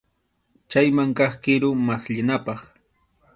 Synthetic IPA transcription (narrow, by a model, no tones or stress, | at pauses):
t͡ʃajmaŋkɑχkɪɾʊmasʎɪnapɑχ